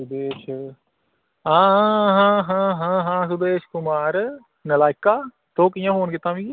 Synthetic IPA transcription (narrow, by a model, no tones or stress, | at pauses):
sʊd̪eːʃ | ɦãːɦãːɦãːɦãːɦãːs̬ʊd̪eːʃkʊmaːɾ | nɐlaːɪkːaː | t̪oːkijãfoːnɡet̪ãːmĩːɡi